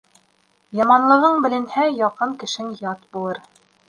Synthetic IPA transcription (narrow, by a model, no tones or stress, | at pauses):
jɑmɑnlˠɤ̆ʁɤɴbɘ̆lɘ̆nhæjɑqɤɴkɘ̆ʃɘŋjɑt̪bulˠɤɾ